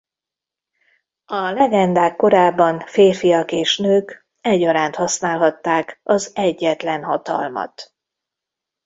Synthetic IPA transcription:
ɒlɛɡɛnd̪aːkːo̞ɾaːbːɒnfeːrfijɒkeːʃnøːk | ɛɟɒɾaːnt̪hɒsnaːlɦɒt̪ːaːkɒzɛɟːɛt̪lɛnɦɒt̪ɒ̰lmɒ̰t̪

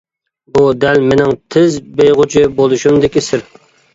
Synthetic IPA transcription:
bud̪ɛlmenɪŋt̪ʰɪzbejʁʊt͡ʃʰibolˠuʃumd̪ɪkʲisɪɾ

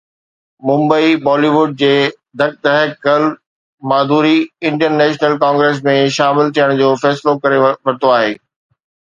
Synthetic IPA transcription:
mʊ̃mbəibɔːliʋʊɖ̚d͡ʑeː | d̪ʱɐk̚t̪ɐɦəkɐl | maːd̪ʱuːɾiɪ̃ɳʈənnɛːʃnəlkãːŋɡɾeːs̬mẽʃaːmɪlt̪ʰijəɽ̃d͡ʑoːfɛːslokɐɾeʋɐɾɪt̪oaːɦeː

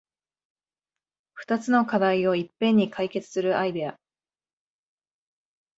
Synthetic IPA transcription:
ɸɯ̟̥t̪at͡sɨno̞kad̪aio̞ipːẽ̞ɲ̟ːikʰaike̞t͡sɨ̥sɨɾɯ̟ʔaid̪e̞a

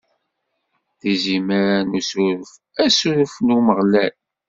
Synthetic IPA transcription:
ðiziməɾanusuɾəf | æsuɾəfnuməʁlæl

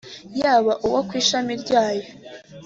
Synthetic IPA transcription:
jaːβaʔuwokwiːʃamiɾɟaːjo̞

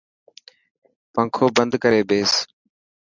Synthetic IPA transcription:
pə̃ŋkʰoːbənd̪kəɾeːbeːs

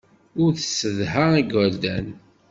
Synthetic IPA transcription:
ʊɾθə̥səðɦəiɡəld̪æn

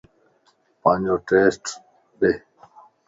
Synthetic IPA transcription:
pãːɲd͡ʒoːʈeːsʈ | d̪e

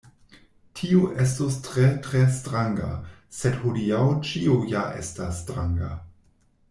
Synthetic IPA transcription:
tʰiuʔes̬tostɾetɾestɾaŋɡa̰sedhodiawt͡ʃiujaʔḛstasːtɾaŋɡa̰

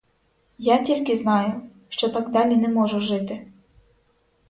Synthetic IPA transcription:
jatʲilʲkɪznɑjʊ | ʃt͡ʃɔt̪ɑɡd̪ɑlʲinɛmɔʒʊʒɪt̪ɪ

